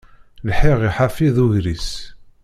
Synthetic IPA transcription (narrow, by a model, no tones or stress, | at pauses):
lħiʁiħafiðuʝɾis